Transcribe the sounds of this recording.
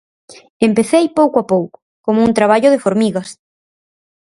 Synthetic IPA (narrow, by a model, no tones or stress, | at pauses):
empeθejpowkoapowkʊ̥ | komount̪ɾaβaʎʊðefoɾmiɣɐs